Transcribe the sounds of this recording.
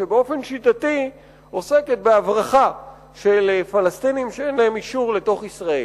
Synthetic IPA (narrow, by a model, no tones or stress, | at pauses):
ʃebeo̞fe̞nʃit̪at̪i | o̞se̞ket̪̚beavʁaχa | ʃelfalast̪inimʃeenlaemiʃuʁle̞to̞χisʁae